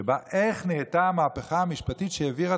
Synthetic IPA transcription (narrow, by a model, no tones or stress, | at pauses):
baʔe̞χneːtaamaːpeχaamiʃpatitʃeeviʁa